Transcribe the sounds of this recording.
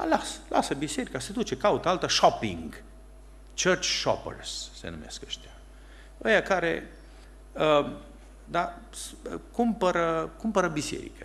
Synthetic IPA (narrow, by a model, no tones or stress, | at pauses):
a̰lasə̥lʔa̰səbise̞ɾikased̪ut͡ʃe̞kaut̪əalt̪əʃopḭŋɡ | t͡ʃərt͡ʃʃo̰pə̰rsːḛnṵmeskəʃt̪ea | ojakaɾḛ | ə | d̪a | skumpəɾəkumpəɾəbise̞̰ɾḭkə